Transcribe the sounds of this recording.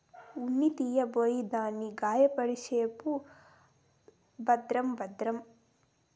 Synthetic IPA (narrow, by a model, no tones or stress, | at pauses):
unːit̪ijɐbojid̪aːniɡaːjɐpɐɾiʃeːpu | bɐd̪ɾɐmbɐd̪ɾɐm